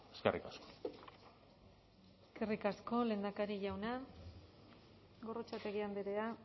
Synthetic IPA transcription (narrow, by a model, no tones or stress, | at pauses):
eskerikasko̥ | eske̞rikasko̞le̞ːnd̪akaɾiʝawna | ɣo̞rot͡ʃat̪e̞ɣiand̪eɾea